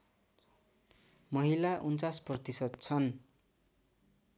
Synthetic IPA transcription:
mʌɦilaʔunt͡sasprʌt̪isʌd̪̚t͡sʰʌn

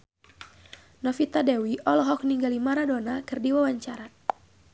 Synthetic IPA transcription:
nɔfit̪adɛwiʔɔlɔɦɔk̚niŋɡalimaɾadonakɨrdiwawaɲt͡ʃaɾa

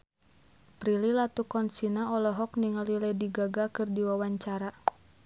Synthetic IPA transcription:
pɾililat̪ukɔnsinaɔlɔɦɔk̚niŋalilɛdiɡaɡakɨrdiwawaɲt͡ʃaɾa

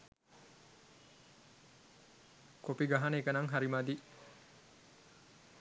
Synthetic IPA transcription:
kopiɡaɦanəekənaŋɦaɾimad̪i

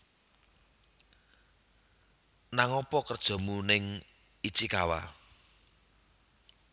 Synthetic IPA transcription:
naŋɔpɔkərd̥ʒ̥ɔ̤munɪŋ | it͡ʃikawa̰

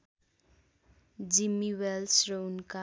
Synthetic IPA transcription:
d͡zimːiwelsrʌunka

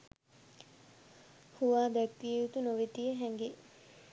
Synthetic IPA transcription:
huʋaːd̪ɛk̚t̪iejut̪unoʋet̪ijəɦɛŋɡe

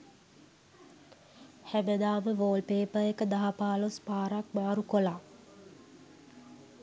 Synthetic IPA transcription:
hæbəd̪aːməʋoːlpeːpəekəd̪aɦapaːlospaːɾak̚maːɾukola

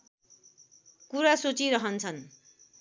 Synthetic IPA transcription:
kuɾasot͡siɾʌɦʌnt͡sʰʌn

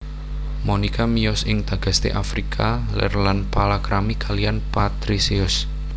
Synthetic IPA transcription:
monikamijɔsɪŋd̪̥ä̤ɡ̥a̤st̪ḛʔafɾikʰalɛ̰rlanpalakɾamikʰalijanpat̪ɾisiʊs

